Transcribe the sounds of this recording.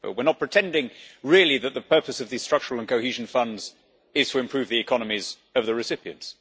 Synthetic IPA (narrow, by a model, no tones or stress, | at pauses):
ɛ̰lˠwɪənət̚pʰɹ̥ɨtʰɛ̃ndɪ̃ŋɹɪlˠiðət̪̚ðəpʰɜˑ˞pəsʌvðiz̥stɹ̥ʌk̚t͡ʃəɹlˠə̃nkʰoʊhiʒn̩fʌ̃ndz | ɪz̥tʰəɨ̃mpʰɹ̥ʉvðiɨkʰɑnəmiz | ʌvðɨɹɨsɪpiɨ̰̃nts